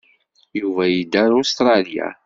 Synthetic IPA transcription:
juvæjid̪ːæɾʊst̪ɾˤɑlja̰

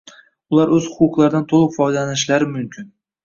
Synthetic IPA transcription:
ʊlˠaɾɵzhʊqʊqlˠaɾd̪ant̪ʰolˠɨqfɒjd̪alanɪʃlaɾɪmʊmkʲʰɪn

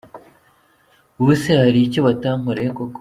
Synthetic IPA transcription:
usehaɾiciβataŋuɾeekok

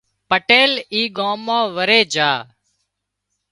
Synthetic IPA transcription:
pəʈeːliːɠãːmːãːʋəɾeːd͡ʒaː

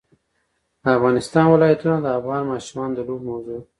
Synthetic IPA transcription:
d̪əafɣɑnɪst̪ɑnwɪlɑjat̪unad̪əafɣɑnmɑʃumɑnod̪əlobmawzu

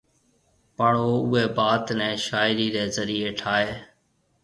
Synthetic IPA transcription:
paːɽoːʊːeːbaːt̪nɛ̃ːʃaːɪɾiːɾeːzəɾiːeːʈʰaːeː

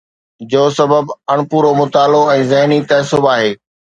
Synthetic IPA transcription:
d͡ʑoːsɐbəbɐɽ̃puːɾomʊt̪aːloɛ̃ːzɐɦnit̪ɐːsʊbaːɦeː

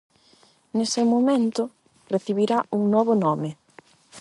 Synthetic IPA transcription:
nesemomẽnt̪ʊ | reθiβiɾaʔuŋnɔβʊnɔmɪ

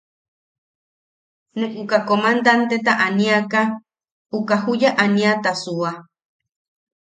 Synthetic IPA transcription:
nẽʔukakomand̪ant̪et̪aʔanĩaka | ukaɦujaʔaniat̪asua

